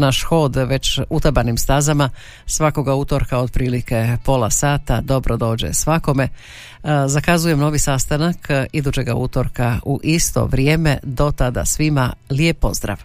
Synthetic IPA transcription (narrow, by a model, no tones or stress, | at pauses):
naʃxo̞ːd̪ʋe̞t͡ɕut̪abanimst̪azama | sʋako̞ɡaut̪o̞ɾkao̞d̪̚pɾiːlike̞po̞lˠasaːt̪ad̪o̞bɾod̪o̞ːd͡ʑḛsʋako̞me̞ | zakazuje̞mno̞ʋisast̪anakid̪uːt͡ɕe̞ɡaut̪o̞ɾkauʔist̪o̞̰ʋɾjeːme̞d̪o̞t̪ad̪a̰sʋimaliepːo̞̰zd̪ɾa̰ʋ